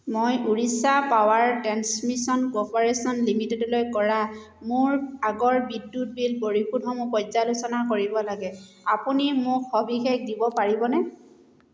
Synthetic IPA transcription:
mojʔuɹisapawaɹtɹansmisɔnkɔpɔɹesɔnlimitɛdɔlojkɔɹa | mʊɹaɡɔɹbidːut̚bilboɹixudʱɔmʊpɔzalʊsɔnakoɹibɔlaɡɛ | apunimʊkxɔbʱixek̚dibɔpaɹibɔnɛ

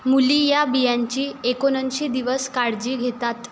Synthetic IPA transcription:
mulijabijaɲt͡ɕiːekonənɕiːd̪iʋəskaɽd͡ʑiːɡʱet̪at̪

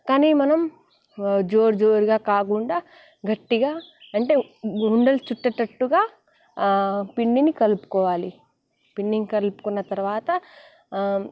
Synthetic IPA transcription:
kaːniːmɐnɐm | d͡ʒoːɾd͡ʒoːɾuɡaːkaːk̬uɳɖaː | ɡɐʈːiɡaːɐɳʈeːɦuɳɖɐlt͡ʃuʈːɐʈɐʈːuɡaː | piɳːinikɐlupu̥kɔːʋaːli | piɳːinikɐlupu̥kunːɐt̪ɐɾuʋaːt̪ɐ

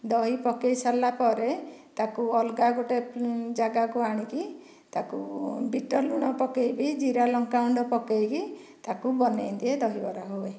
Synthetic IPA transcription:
d̪ɔɦipɔkejsalapɔɾet̪akuɔlɡaɡoʈed͡ʒaɡakuaɽ̃iki | t̪akubiʈɔluɽ̃ɔpɔkejbid͡ʒiɾalɔŋkauɳɖɔpɔkejki | t̪akubɔnejd̪ied̪ɔɦibɔɾaɦoe

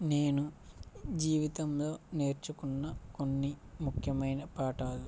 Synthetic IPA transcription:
ne̞ːnu | d͡ʒiːʋit̪ɐmlo̞ːneːɾt͡ʃukunːɐkonːimukʰjɐmɐjnɐpaːʈaːd̪u

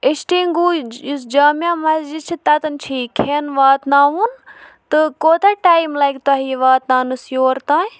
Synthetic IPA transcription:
esʈiːŋɡujusd͡ʒaːmjãːmɐsd͡ʒid̪̚t͡ʃʰit̪at̪ɐnt͡ʃʰiːkʰeːnʋaːt̪naːunt̪ɨkoːt̪ʰaʈaːjmlaːjk̚t̪ʊaːɦiːʋaːt̪naːnɨsjoːɾt̪ãː

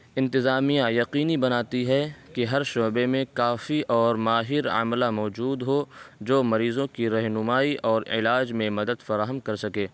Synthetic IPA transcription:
ɪ̃nt̪ɪzaːmijãjɐqiːnibɐnaːt̪iɦɛkeɦɐɾʃoːbemẽkaːfiʔɔːɾmaːɦɪɾɐ̰mlamɔːd͡ʒuːd̪ɦod͡ʒoːmɐɾiːzõkiɾɛɦnʊmaːiʔɔːɾɪ̰laːd͡ʒmẽmɐd̪əd̪fɐɾaːɦəmkɐɾsɐkeː

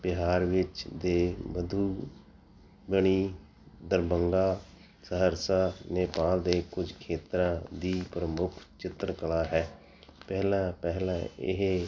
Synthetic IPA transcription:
bɪɦaːɾʋɪt͡ʃd̪eːʋəd̪ʱuː | bəɳ̃iː | d̪əɾbəŋɡaː | səɦəɾsaːneːpaːld̪eːkʊd͡ʒkʰeːt̪ɾãːd̪iːpɾəmʊkʰt͡ʃɪt̪ɾəkəlaːɦɛː | pɛːlãːpɛɦlãːɪ̰ɦe

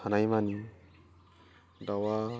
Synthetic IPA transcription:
anajmani | dawa

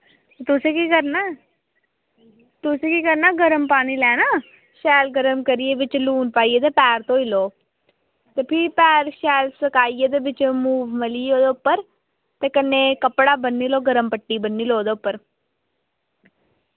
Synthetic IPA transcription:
t̪ʊsekikəɾnaː | t̪ʊseːkiːkəɾnaːɡəɾəmpaːñiːlɛːnaː | ʃɛːlɡəɾəmkəɾieːʋɪt͡ʃluːnpaːiːeːt̪eːpɛːɾt̪õːiloː | t̪eːpʰɪɾpɛːɾʃɛːlsəkaːiːeːd̪eːʋɪt͡ʃmuːʋməliːoːd̪eʊpːəɾ | t̪eːkənːeːkəpɽaːbənːiːloːɡəɾəmpəʈːiːbənːiːloːd̪eːʊpːəɾ

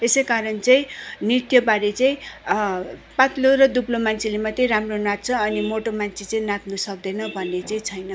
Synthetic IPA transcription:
esejkaɾʌnt͡saĩnit̪jʌbaɾet͡saĩ | pat̪loɾʌd̪uplomant͡sʰilemat̪eramronat̪̚t͡sʰʌːnimoʈomant͡sʰit͡saĩnat̪nusʌk̚d̪ʌnʌbʱʌnːet͡saĩt͡sʰʌjnʌ

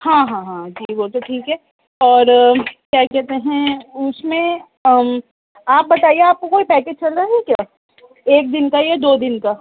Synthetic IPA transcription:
hãɦãɦãd͡ʒiːboːlt̪eʈʰiːkɦɛː | ɔːɾkjaːkɛɦt̪eɦɛ̃ʊsmẽ | aːp̚bɐt̪aːieaːp̚kokoːipɛːkeːd͡ʒt͡ʃɐlɾaːɦɛkjaː | eːk̚d̪ɪnkajed̪oːd̪ɪnka

